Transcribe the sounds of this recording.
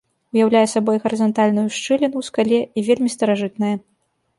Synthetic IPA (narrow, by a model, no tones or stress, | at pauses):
ujawlʲajɛsabɔjɣɐɾɨzɐnt̪alʲnujuʂt͡ʂɨlʲinuwskalʲɛʔivʲelʲmʲist̪ɐɾaʐɨt̪̚nɐjɐ